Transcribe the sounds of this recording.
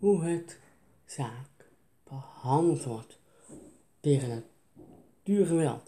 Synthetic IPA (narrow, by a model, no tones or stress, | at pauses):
huɦət | z̥aːk | b̥əhɑndlˠtʋɔɹt | teːχəna | tyːɹχəʋɛ̰lˠt